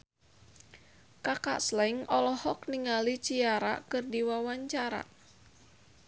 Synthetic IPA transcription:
kaka̰ʔslɛŋɔlɔhɔk̚niŋalit͡ʃiaɾa̰kɨrdiwawaɲt͡ʃaɾa̰

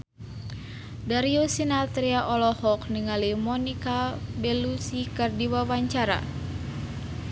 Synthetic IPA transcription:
daɾiosinat̪ɾiaʔɔlɔhɔkniŋalimɔnikabɛlusikərdiwawaɲt͡ʃaɾa̰

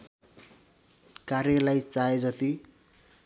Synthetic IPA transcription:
karjʌlajt͡saed͡zʌt̪i

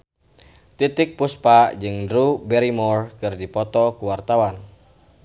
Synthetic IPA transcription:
t̪it̪ɪk̚puspaʔd͡ʒɨŋdɾubɛɾimɔrkɨrdipɔt̪ɔkuwart̪awan

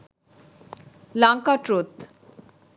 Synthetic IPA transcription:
laŋkaʈɾot̪

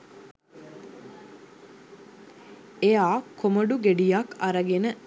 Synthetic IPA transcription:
ejaːkʰoməɖuɡeɖijakaɾəɡenə

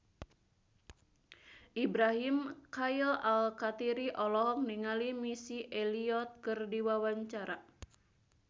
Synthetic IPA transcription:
ʔibɾaɦimkailalkat̪iɾiʔɔlɔɦɔk̚niŋalimisiʔeliɔt̪̚kɨrdiwawaɲt͡ʃaɾa

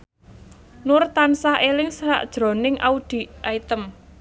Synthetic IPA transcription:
nʊrt̪ansaɦelɪŋsɾa̰ʔd̥ʒ̥ɾo̤nɪŋʔa̰ud̪̥i̤ʔait̪əm

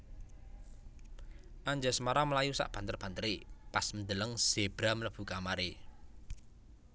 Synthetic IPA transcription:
ʔaɲd͡ʒəsmaɾaməlajusa̰ʔb̥a̤nt̪ərb̥a̤nt̪əɾepasmənd̪ələŋz̥eb̥ɾamələb̥ṳkamaɾe

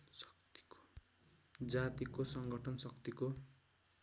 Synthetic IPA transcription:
kt̪i̥ko | d͡zat̪ikosʌŋɡʌʈʰʌnsʌkt̪iko

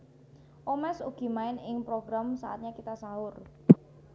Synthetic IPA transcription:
ʔomɛsṵɡ̥i̤maɪnɪŋpɾoɡɾamsa̰a̰t̪̚ɲakit̪asaɦʊr

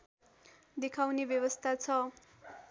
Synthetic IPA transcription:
d̪ekʰawnebjʌwʌst̪ʰat͡sʰʌ

